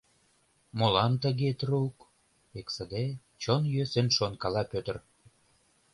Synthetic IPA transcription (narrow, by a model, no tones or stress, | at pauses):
molɑnt̪əɣet̪rouk | eksə̆d̪e | t͡ɕonjøsenʃonkɑlɑpøt̪ə̆r